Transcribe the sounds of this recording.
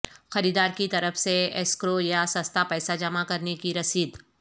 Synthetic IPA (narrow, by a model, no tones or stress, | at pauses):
xɐɾiːd̪aːɾkit̪ɐɾəfseɛskɾojasɐst̪apɛːsad͡ʒɐmakɐɾnekiɾɐsiːd̪